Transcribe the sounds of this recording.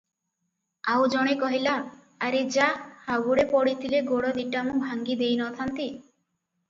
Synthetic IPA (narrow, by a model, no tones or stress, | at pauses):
awd͡ʒɔɽ̃ekɔɦilaː | ɾed͡ʒahaɡuɽepɔɽit̪ʰileɡoɽɔd̪iʈamũbʱaŋɡid̪ejnɔt̪ʰant̪i